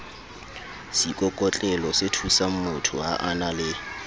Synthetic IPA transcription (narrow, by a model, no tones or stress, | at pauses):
sikʼɔkʼɔt͡ɬʼɛlɔsetʰusam̩mʊtʰʊɦa̰ʔanalɪ